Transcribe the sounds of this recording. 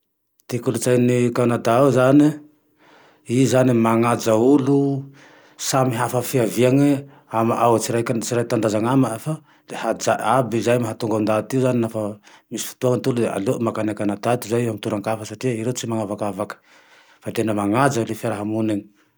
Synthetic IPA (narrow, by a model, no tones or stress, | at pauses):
t̪ikulut͡sajnikanad̪aazani | izanimaŋad͡zaulu | samiɦafəfiaviaŋe | amaawt͡siɾajkat͡siɾajt̪and̪azaŋamafa | ehad͡zaabizajmaɦat̪uŋɡaund̪at̪iuzaninafəmisi̥fi̥t̪uaŋnt̪ulud̪ea̰lomakanakanad̪at̪izajamit̪uɾaŋkafəsaʈ͡ʂiəiɾet͡simaŋavakavakə̥ | fat̪enəmaŋad͡zalefaɾaɦamuneni̥